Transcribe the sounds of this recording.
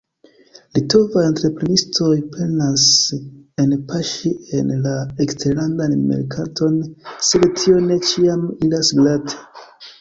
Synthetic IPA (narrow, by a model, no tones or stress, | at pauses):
lito̞vajentɾe̞pɾe̞nistʰo̞jpʰe̞nas | e̞npʰaʃie̞nlaeksteɾlandanmḛɾkʰatʰo̞nse̞dtʰio̞ne̞t͡ʃiamilasɡlatʰe̥